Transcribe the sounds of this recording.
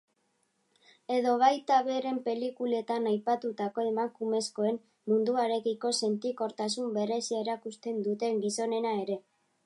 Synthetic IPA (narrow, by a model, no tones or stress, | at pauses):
e̞ðo̞β̞ajt̪aβe̞ɾe̞mpe̞likule̞t̪anajpat̪ut̪ako̞e̞makume̞sko̞e̞m | mund̪uaɾe̞kiko̞se̞nt̪iko̞ɾt̪asumbe̞ɾe̞sieɾakust̪e̞nd̪ut̪e̞ŋɡiso̞ne̞nae̞ɾe̞